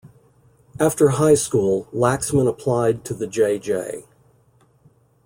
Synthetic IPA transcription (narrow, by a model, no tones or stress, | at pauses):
æftə˞ɦaɪskulˠlæksmə̃nəpʰl̥aɪd̚tʰɨðɨd͡ʒeɪd͡ʒḛɪ